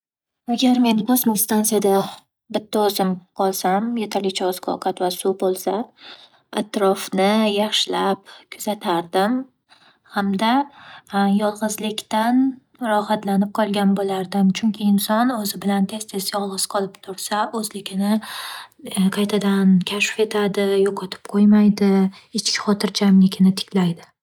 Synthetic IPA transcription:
aɡʲaɾme̞nbozmɪst̪ansijad̪a | bɪt̪ʰːaɒzɪmqʰɒlˠsamjet̪ʰaɾlɪkʲt͡ʃʰaɒzkʰɒ̰wqʰat̪vasʊbolˠsa | at̪ɾɒfnɪjaχʃɪlapkʰʊz̥at̪ʰaɾd̪ɪm | hamd̪a | jɒlˠʁɨzlɪkʲt̪an | ɾɒhat̪lanɪp̚qʰɒlˠɡʲanbolaɾd̪ɪmt͡ʃʰʊŋkʲʰɪɪnsɒnɵzɪbɪlant̪ʰe̞st̪ʰesɪjɒlˠʁɨz̥qʰɒlˠɪpt̪ʰʊɾsaʔɵzlɪkʲʰɪnɪ | qʰɑjt̪ʰad̪ankʲʰaʃfe̞t̪ʰad̪ɪjoqʰɒt̪ʰɪ̥p̚qʰojmajd̪ɪ | ɪt͡ʃkʲɪ̥χɒt̪ʰɪɾd͡ʒamlɪkʲʰɪnɪt̪ʰɪ̥kʲʰlajd̪ɪ

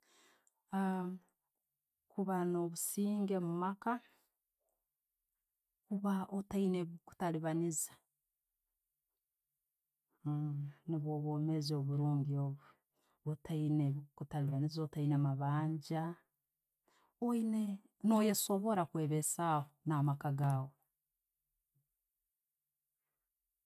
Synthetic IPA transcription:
a | kuβano̞βusiːŋɡe̞mumaka | kuβaotaineβuku̥taliβanizḁ | niβoβome̞zoβuɾuːŋɡioβu | otʰaineβikutaliβanizotainemaβaːɲɟa | oine | no̞jesoβo̞ɾakweβesahonamakaɡaːɣo

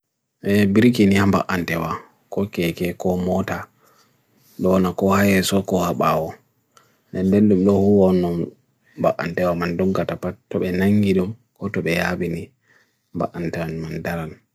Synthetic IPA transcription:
ʔɛbiɾkinihamba̰ʔantɛwa | kɔkɛkɛkɔmɔta | ɗɔnakɔhajɛsɔkɔhaɓawɔ | dɛndɛnɗumɗɔhuwɔnːɔm | ba̰ʔa̰ntɛwamandɔɡatapatːɔɓɛnaŋɡiɗum | kɔtɔɓɛjaɓini | mba̰ʔantɛwanmandaɾan

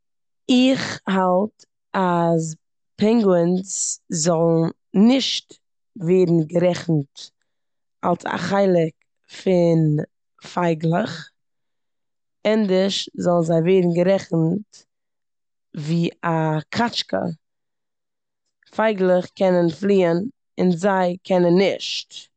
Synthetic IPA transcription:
ɪχhalˠt | as | pʰɛŋɡwənszɔlˠnn̩ | nɪʃt | veɪdn̩ɡəɾɛχn̩t | a̰lˠsa̰χaɪlˠɪk | fɪn | faɪɡlˠəχ | ɛndəʃzɔlˠn̩zaɪveɪdn̩ɡəɾɛχn̩t | viːakʰat͡ʃkə̰ | faɪɡlˠəχkɛnənflˠiːən | ɪnzaɪkʰɛnənːɪʃt

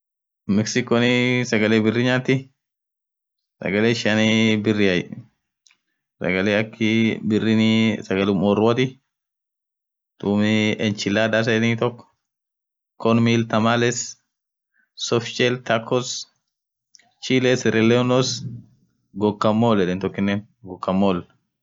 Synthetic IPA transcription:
mɛksɪkɔnɪsɐɡɐleːbɪrɪɲaːt̪ɪ | sɐ̰ɡɐleːʃɐnibɪrːɪɐj | sɐ̰ɡɐleːɐkːɪbɪrːɪnsɐɡɐlʊmɔɾwɐt̪ɪ | t̪uːmɪɛnt͡ʃɪlːaːd̪as̬ɐɛniːt̪ɔkːɔ̥ | kɔnmilt̪ɐmalɛs | sɔfʃɛlt̪ʰakʰːɔs | t͡ʃilesɪɾʔɛlːeʊnos | ɡɔkːɐmːoːlːɛdɛnt̪ɔkːɪnːeːn | ɡɔkːɐmːoːl

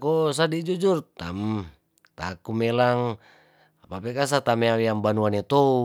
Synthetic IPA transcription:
kos̬adid͡ʒud͡ʒurt̪a̰m | t̪akumelaŋ | apapekas̬at̪ameawiambanuanet̪ou

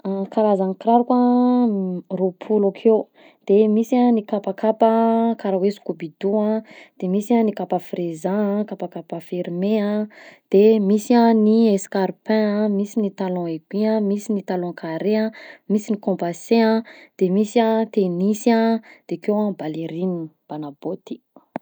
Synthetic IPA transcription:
akalazanikiɾaɾuka | ropʰulakʰew | d̪̥emisanikapakapakaɾawesu̥kubid̪uãd̪̥emisanikapafrezãkapakapafiɾmeãd̪̥emisãnieskaɾipɛ̃ãmisinit̪alɔ̃eɡiãmisinit̪alɔ̃kʰaɾeãmisinikɔ̃paseãd̪̥emisãt̪enisãd̪̥ekewãbaleɾinib̥anabot̪i̥

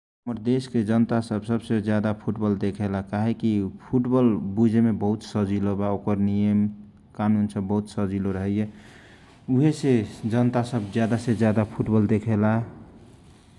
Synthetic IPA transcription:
məɾd̪esked͡ʒənt̪asəbsəbsed͡ʒjad̪apʰuʈbəld̪ekʰelakaɦekipʰuʈbəlbud͡ʒʱemebəɦut̪səd͡ʒilobaokəɾnijəm | kanunsəbːəɦut̪səd͡ʒiloɾəɦəje | uɦesed͡ʒənt̪asəbd͡ʒjad̪ased͡ʒjad̪apʰuʈbəld̪ekʰela

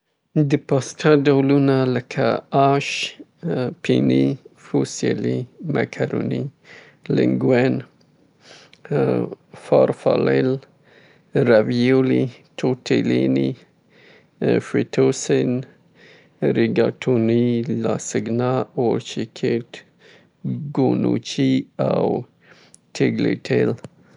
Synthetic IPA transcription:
d̪əpɑst̪ʰaɖawlunaləkʰa̰ɑʃ | pʰinifuselima̰kʰaɾoni | lɪŋɡwen | fɑ̰ɾfa̰lel | ɾavijolitʰotʰelini | fit̪ʰosen | ɾɪɡatʰunilasiɡnɑoɾt͡ʃikʰet | ɡonṵt͡ʃiaw | tʰeɡleʈʰel

